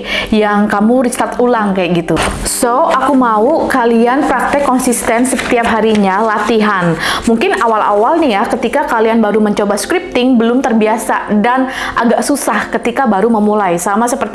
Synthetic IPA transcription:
jaŋkamuɾist̪at̪ulaŋkajaʔɡit̪usoʔakumaukalianpɾak̚t̪ɛkːɔnsist̪ɛnsət̪iap̚ɦaɾiɲalat̪iɦanmuŋkɪnawala̰walnijakət̪ikakalianbaɾuməɲt͡ʃobaskɾip̚t̪ɪŋbəlʊmt̪ərbiasadanʔaɡaʔsusahkət̪ikabaɾuməmulajsamasəpərt̪

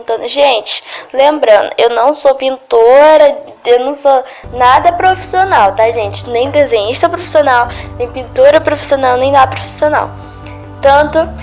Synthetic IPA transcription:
t̪ɐ̃nd̪ʊʒẽt͡ʃɪ̥lẽmbɾɐ̃nd̪ʊ̰ʔewnɐ̃w̃sopĩnt̪oɾɐewnɐ̃w̃so | nad̪ɐpɾofi̥sionawt̪aʒẽnt͡ʃɪ̥nẽj̃d̪ezẽɲiʃt̪ɐpɾofi̥sionawnẽj̃pĩnt̪oɾɐpɾofi̥sionawnẽj̃nad̪ɐpɾofi̥siona̰w | t̪ɐ̃nt̪ʊ

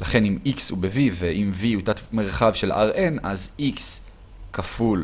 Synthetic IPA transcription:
laχe̞nimikshubeviveʔimviutat̪me̞ʁχavʃe̞lʔa̰ʁʔenaziks | kaful

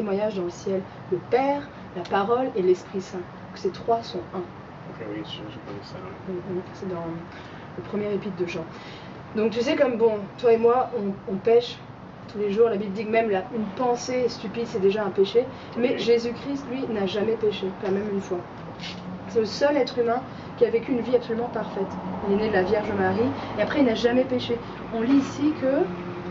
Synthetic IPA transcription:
t̪emwaɲaʒd̪ɑ̃ləsjɛl | ləpɛʁ | lapaʁɔlelɛspχisɛ̃ | kə̥set̪χwasɔ̃ɛ̃ | sɛd̪ɑ̃ | ləpχəmjɛʁepit̪̚d̪əʒɑ̃ | d̪ɔ̃k̚t̪ysɛkɔmbɔ̃t̪waemwaɔ̃ɔ̃pɛʃ | t̪ʰuleʒuʁlabibld̪ikmɛmlaynpɑ̃sest̪ypid̪sɛd̪eʒaɛ̃peʃe | mɛʒezykχist̪lɥinaʒamɛpeʃepamɛmynfwa | sɛləsœlɛt̪χymɛ̃ | kʲiavekʲyːnviapsɔlymɑ̃paʁfɛt̪ilɛnɛd̪əlavjɛʁʒəmaʁieapχɛilnaʒamɛpeʃe | ɔ̃liːsikʰə

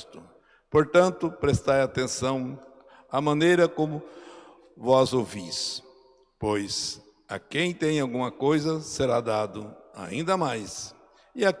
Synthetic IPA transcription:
t̪ʊ | poɾt̪ɐ̃nt̪ʊpɾest̪ajat̪ẽsɐ̃w̃ | amɐ̃nejɾɐkõmʊ | vɔzowvis | pojs | ɐ̰kẽj̃t̪ẽj̃awɡũmɐkojzɐseɾad̪ad̪ʊa̰ḭ̃nd̪ɐmajs | ɪa

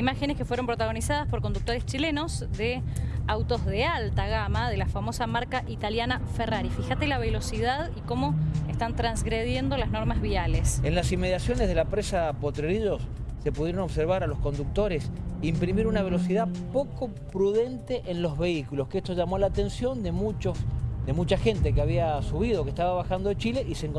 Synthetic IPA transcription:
imaxeneskefweɾo̞mpɾot̪aɣ̞o̞nisað̞aspo̞ɾkond̪uk̚t̪o̞ɾest͡ʃile̞no̞sðe | awt̪o̞zðealt̪aɣamaðelafamo̞samaɾkaʔit̪aljanaferaɾifixat̪elaβelo̞siðaðiko̞mo̞est̪ant̪ɾanzɣɾeð̞je̞nd̪o̞lazno̞ɾmazβialesenlasimːeð̞jasjo̞nezðelapɾesapo̞t̪ɾeɾiʒo̞sː | e̞puðjeɾonoβse̞ɾβ̞aɾalo̞sko̞nd̪uk̚t̪o̞ɾe̞simpɾimiɾunaβ̞e̞lo̞siðapo̞ko̞ | pɾuðe̞nt̪eʔenlo̞zβe̞ikulo̞skeest̪oʒamolaːt̪e̞nsjo̞nd̪emut͡ʃosd̪e̞mut͡ʃaxe̞nt̪e̞keaβ̞iasuβ̞iðo̞kehst̪aβaβaxand̪o̞ðet͡ʃile̞ʔiseŋko

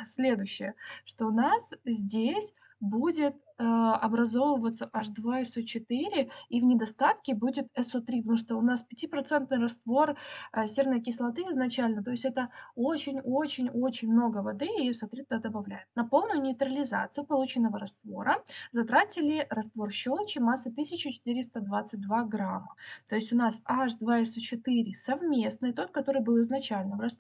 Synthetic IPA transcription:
sʲlʲe̞d̪ʊjɕːɪjəʂt̪o̞ʊnaszʲdʲesʲ | budʲɪt̪ | əɐbɾɐzo̞vəvət̪səʔaʐd̪vaɪsot͡ɕɪt̪ɨɾʲɪivnʲɪd̪ɐst̪at̪kʲɪbudʲɪt̪ɛsot̪ɾʲipət̪ɐmuʂt̪oʊnaspʲɪtʲipɾɐt̪sɛnt̪nɨjɾɐst̪vo̞rsʲernɨjəkʲɪslˠɐt̪ɨɪznɐt͡ɕælʲnət̪o̞ɪsʲtʲɛt̪əot͡ɕɪnʲo̞t͡ɕɪnʲo̞t͡ɕɪnʲmno̞ɡəvɐd̪ɨɪɛsot̪ɾʲit̪̚d̪ad̪əbɐvlʲæjɪt̪̚nɐpo̞lˠnʊjʊnʲɪːt̪ɾəlʲɪza̰t̪sɨjʊpɐlˠut͡ɕɪnːəvəɾɐst̪vo̞ɾəzɐt̪ɾatʲɪlʲɪɾɐst̪vo̞rɕːo̞lˠt͡ɕɪmasːət̪ɨsʲɪt͡ɕʊt͡ɕɪ̥t̪ɨɾʲɪst̪əd̪vat̪sɨt̚ʲd̪vaɡɾamːə̰t̪o̞ɪsʲtʲʊnasaʐd̪vaɛsot͡ɕɪt̪ɨɾʲɪsɐvmʲe̞snɨt̪o̞t̪̚kɐt̪oɾɨjbɨlˠɪznɐt͡ɕælʲnəvrɐst̪

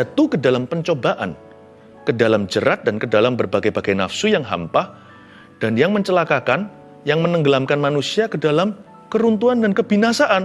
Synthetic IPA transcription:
at̪ukədalampəɲt͡ʃobaʔa̰n | kədalamd͡ʒəɾat̪̚dankədalambərbaɡajbaɡajnafsujaŋɦa̰mpah | d̥anjaŋməɲt͡ʃəlakakan | jaŋmənəŋɡəlamkanmanusiakədalam | kəɾunt̪uandankəbinasaʔan

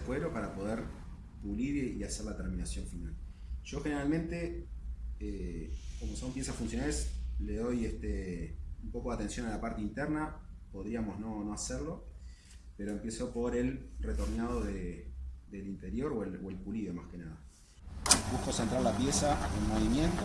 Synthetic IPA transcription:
fweɾopaɾapo̞ð̞eɾ | puliβiaseɾlat̪eɾmĩnasjo̞ɱfinal | ʒ̥o̞xeneɾalmẽ̞nt̪e̞ | eko̞mo̞so̞mpje̞sasfunsjonalesleðo̞jeht̪eumpo̞ko̞ðat̪e̞nsjo̞nalapaɾt̪eint̪eɾna | po̞ðɾiamo̞zno̞no̞aseɾlo̞ | pe̞ɾo̞empeso̞po̞ɾe̞lret̪o̞ɾnaðo̞ðeðelint̪e̞ɾjo̞ɾoeloelpuliβemahkenaða | buhkosent̪ɾaɾlapjesaelmoβimjent̪o

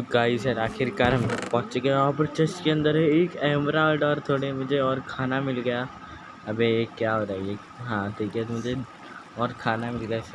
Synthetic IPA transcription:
ɡaːisɐɾaːkʰɪɾkaɾəmpɔ̃ːt͡ʃeɡeɔpəɾt͡ʃɐst͡ʃkeɐ̃nd̪əɾɦeːkɛ̃ːmɾaːɖɔːɾt̪ʰoːɽemʊd͡ʒʱeɔːɾkʰaːnamɪlɡɐja | ɐbʱeekːjaɦoːɾaje | ɦãːʈʰiːkɛmʊd͡ʒʱe | ɔːɾkʰaːnamɪlɡɐjasɐ

